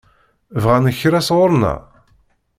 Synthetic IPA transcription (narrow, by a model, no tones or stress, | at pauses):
vʁænəçɾæsʁʊɾˤnæ̰